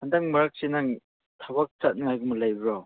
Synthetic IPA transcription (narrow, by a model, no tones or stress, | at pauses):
handaŋmɐɾak̚senaŋ | tʰabak̚t͡ʃat̚nŋajɡumɯlajbɾɔ